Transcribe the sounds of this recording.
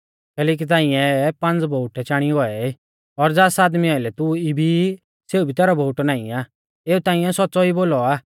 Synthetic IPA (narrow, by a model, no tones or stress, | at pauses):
kɛːlɛːk̬it̪ãːɪ̃ɛ̃pɐ̃nd͡zbʱouʈɛt͡ʃaːɽ̃iɡɔɛi | ɔɾd͡zaːsaːd̪miɔːɪlɛt̪uibʱi | seːubʱit̪ɛːɾɔbʱouʈnãːḭ̃aː | eːut̪ãːĩɛ̃sɔtːt͡sɔiboːlɔaː